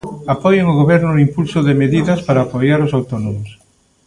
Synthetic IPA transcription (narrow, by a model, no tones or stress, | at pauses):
apɔjeŋʊɣoβɛɾnʊimpulsʊðɪmeðiðɐspaɾaːpojaɾʊsawt̪ɔnomʊs